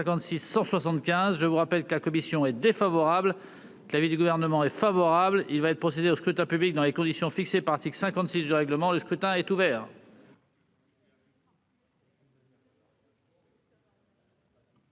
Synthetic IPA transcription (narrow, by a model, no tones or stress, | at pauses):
ɛ̃kɑ̃t̪sisːɑ̃swasɑ̃t̪kʲɛ̃zʒəvuʁapɛlkəlakɔmisjɔ̃ɛd̪efavɔʁabl | kəlavid̪yɡuvɛʁnəmɑ̃ɛfavɔʁablilvaɛt̪pχɔsed̪eoskχyt̪ɛ̃pyblik̚d̪ɑ̃lekɔ̃d̪isjɔ̃fiksepaʁlat̪iklsɛ̃kɑ̃t̪sisd̪yʁɛɡləmɑ̃ləskχyt̪ɛ̃ɛt̪uvɛːʁ